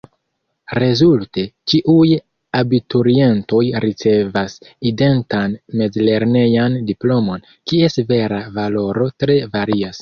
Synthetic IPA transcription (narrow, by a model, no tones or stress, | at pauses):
ɾe̞zulte̞t͡ʃiʔuj | abitoɾie̞nto̞jɾit͡se̞vaside̞ntanme̞d͡zle̞ɾne̞jandiplo̞mo̞n | kie̞seve̞ɾavalo̞ɾo̞tɾe̞vaɾias